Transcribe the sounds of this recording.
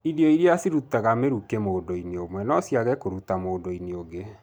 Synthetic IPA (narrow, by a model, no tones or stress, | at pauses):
iðjɔiɾeasiɾutaɣameɾukemoːndoineomwɛnɔsjaɣɛkoɾutamoːdoineoɡe